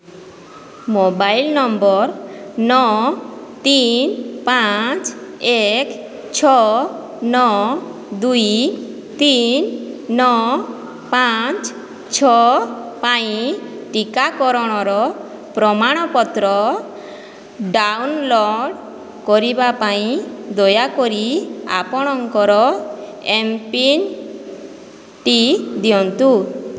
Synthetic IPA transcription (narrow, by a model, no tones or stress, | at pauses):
mobajlnɔmbɔɾnɔ | t̪inpat͡ʃek | t͡ʃʰɔ | nɔ | d̪ui | t̪innɔ | pat͡ʃ | t͡ʃʰɔpaiʈikakɔɾɔɽ̃ɔɾɔ | pɾɔmaɽ̃ɔpɔt̪ɾɔ | ɖawnlɔɽ | kɔɾibapaĩd̪ɔjakɔɾia̰pɔɽ̃ɔŋkɔɾɔ | empin | ʈid̪iɔnt̪u